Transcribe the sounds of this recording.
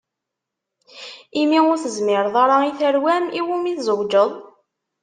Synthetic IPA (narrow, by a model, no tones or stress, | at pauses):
imiʊɾθəzmɪɾðˤɑɾˤɑiθəɾwæmiwumiθzəwd͡ʒəðˤ